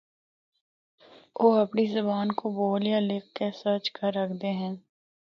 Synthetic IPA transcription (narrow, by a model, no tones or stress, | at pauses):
oːɐpnizɐbaːnkoboːlijaleːkːesət͡ʃkəɾːɐkʰd̪eɦɛ̃ː